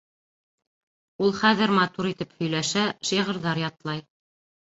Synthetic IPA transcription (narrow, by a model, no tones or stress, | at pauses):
ulˠχæðɘɾmɑt̪uɾit̪ɘphɵ̆jlæʃæʃiʁɤ̆ɾðɑɾjɑt̪lˠɑj